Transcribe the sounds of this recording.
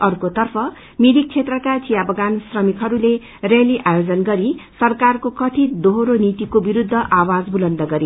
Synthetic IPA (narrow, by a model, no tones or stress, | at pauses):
ʌrkot̪ʌrpʰʌ | mid̪ik̚t͡sʰet̪rʌkat͡sijabʱʌɡansrʌmikɦʌɾule | reliʔajod͡zʌnɡʌɾisʌrkarkokʌt̪ʰid̪oɦoɾonit̪ikobiɾud̪ʱːʌʔawad͡zbulʌnd̪ʌɡʌɾi